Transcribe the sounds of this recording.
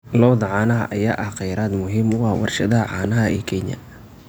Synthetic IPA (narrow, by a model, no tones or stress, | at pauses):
lɔːðɐʕɑːnɐɦɐ̰ʔɐjaːʔɐhqɛjɾaːd̪mʊɦiːmʊɐhwɑ̰rʃɐðɐɦɐʕɑ̰ːnɐɦɐɛ̰ːkʰɛɲɐ̰